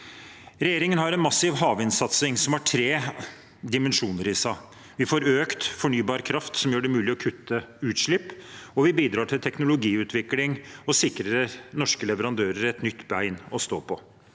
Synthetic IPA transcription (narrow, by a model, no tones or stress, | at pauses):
ɾɛjeːɾɪŋənhɑɾɛnmɑsɪʋɦɑːʋɪnsɑt̪sɪŋsɔmæʈʰɾeː | d̪ɪmɛnʂuːnəɾɪsæ | ʋɪfoːɾøːkt̪fɔɳyːbɑːɾkʰɾɑft̪sɔmjøːɖɛmʉːlɪɔkʰʉt̪ʰːəʉːt̪ʂɭɪpːɔʋɪbiːd̪ɾɑːʈʰɪlt̪ʰɛknʊlʊɡiːʉːt̪ʰʋɪklɪŋɔsɪkɾəənɔʂkəlɛʋəɾɑnd̪øːɾəɾɛt̪nʏt̪ːbæɪnɔst̪o̰ːpʰɔ